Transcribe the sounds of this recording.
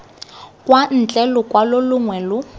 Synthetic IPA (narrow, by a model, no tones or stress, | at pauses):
kʼwan̩t͡ɬʼɛlʊkʼwalʊlʊŋwɛlʊ